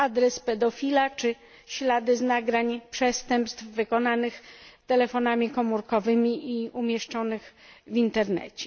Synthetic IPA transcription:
ad̪ɾɛspɛd̪ɔfʲilat͡ʂɘ | ɕlad̪ɘznaɡɾaɲpʂɛst̪ɛmpst̪fvɘkɔnanɘxt̪ɛlɛfɔnamʲikɔmuɾkɔvɘmʲiʔiumʲjɛʂt͡ʂɔnɘxvʲint̪ɛɾnɛ̰t͡ɕɛ̥

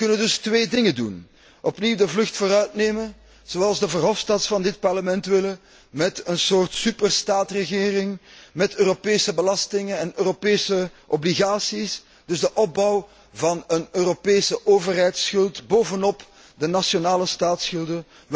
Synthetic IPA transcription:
kɵnəndɵstweːdɪŋədun | ʔɔpniwdəvlɵxtfoːɾœɥtneːmən | z̥oɑlˠzdəvərɦɔfstɑtsfɑndɪt̚pɑrləmɛntʋɪlə | mɛtənsoːrtsypərstaːtrəɣɪːrɪŋmɛtøːropeːsəbəlɑstɪŋənɛnøːropeːsəʔɔbliɣaːsis | d̥ɵzdəʔɔb̚bɑw | vɑnənøːɾopeːsəʔoːvərɦɛjtsxɵlˠtboːvənɔp | dənasjonaːləstaːtsxɵlˠdə

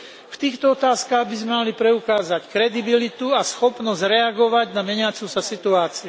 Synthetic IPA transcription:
ft̪iːxt̪ɔɔt̪aːskaːɣbizmɛmalipɾɛukaːzackɾɛd̪ibilit̪uasxɔpnɔzzɾɛaɡɔʋaɟnamɛɲɪat͡susasit̪uaːt͡siu

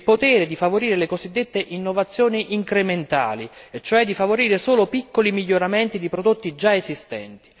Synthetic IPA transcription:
ilpot̪ɛːɾed̪ifavoɾiːɾelekozid̪ːet̪ːeʔinːovat̪sːjoːniʔiŋkɾement̪a̰ːliet͡ʃːoɛd̪ifavoɾiːɾesoːlopikːolimiʎːoɾamɛnt̪id̪ipɾod̪ot̪ːid͡ʒaezist̪ɛ̰nt̪i̥

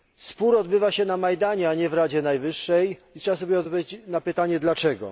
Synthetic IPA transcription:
spuɾɔd̪bɘvaɕɛnamajd̪aɲɛaɲɛvɾad͡ʑɛnajvɘʂːɛjit̪ʂɛbas̬ɔbʲjɛɔd̪vat͡ɕnapɘt̪aɲɛd̪lat͡ʂɛɡɔ̰

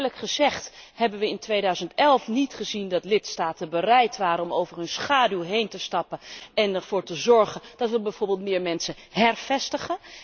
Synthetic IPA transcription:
ləkχəzɛχthɛbənʋəɪntʋejdœɥzəntɛlˠfnitχəzindɑtlɪtstaːtənbərɛjtʋaːɾənɔmowvərɦɵnsχaːdylˠɦejntəstɑpənɛnɛɹv̥ʊːɹtəzɔɹχəndɑtʋəbɛjvoːɹbɪːlˠtmɪːɹmɛnsə | ɦɛrvɛstəχən

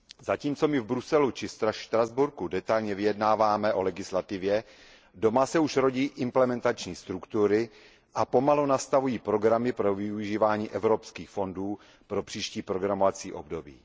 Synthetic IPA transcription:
zaciːmt͡so̞mɪvbɾusɛlut͡ʃɪst̪ɾaʃt̪ɾazbuɾkudɛt̪ajlɲɛvɪjɛdnaːvaːmɛʔo̞lɛɡɪslat̪ɪvjɛ | do̞masɛuʃɾo̞ɟiːʔɪmplɛmɛnt̪at͡ʃɲiːst̪ɾukt̪uɾɪ | ʔapo̞malunast̪avujiːpɾo̞ɡɾamɪpɾo̞vɪuʒiːvaːɲiːʔɛvɾopskiːxfo̞nduː | pɾo̞pr̝̥iːʃciːpɾo̞ɡɾamovat͡siːʔo̞bdo̞bḭː

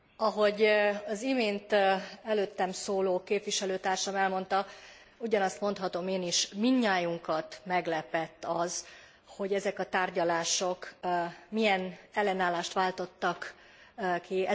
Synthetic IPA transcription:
ɒɦo̞ɟɒzimeːnt̪ɛløːt̪ːɛmsoːloːkeːpʋiʃɛløːt̪aːrʃɒmɛlmo̞nt̪ɒ | uɟɒnɒst̪mo̞nt̪hɒt̪o̞meːniʃmiɲːaːjuŋkɒt̪mɛɡlɛpɛt̪ːɒz̥ | ho̞ɟɛzɛkɒt̪aːrɟɒlaːʃo̞kmijɛnɛlːɛnaːlːaːʃt̪ʋaːlt̪o̞t̪ːɒk | kːiɛ

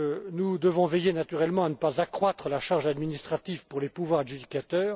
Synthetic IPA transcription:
nud̪əvɔ̃vɛjenat̪yʁɛlmɑ̃anəpazakχwat̪χəlaʃaʁʒad̪minist̪χat̪ivpuʁlepuvwaʁd̪ʒyd̪ikat̪œːʁ

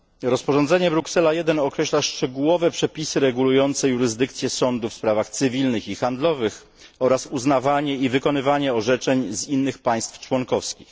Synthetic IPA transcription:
ɾɔspɔʐɔnzɛɲɛbɾuksɛlajɛd̪ɛnɔkɾɛɕlaʂt͡ʂɛɡuwɔvɛpʂɛpʲisɘɾɛɡulujɔnt̪sɛjuɾɘzd̪ɘkt̪sʲjɛsɔnd̪ufspɾavaxt̪sɘvʲilnɘxixand̪lɔvɘx | ɔɾasuznavaɲɛivɘkɔnɘvaɲɛɔʐɛt͡ʂɛɲzinːɘxpaj̃st̪ft͡ʂwɔnkɔfskʲix

